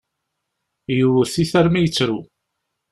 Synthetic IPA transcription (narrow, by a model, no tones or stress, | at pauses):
juwəɾθiθæɾmæjət͡sːɾu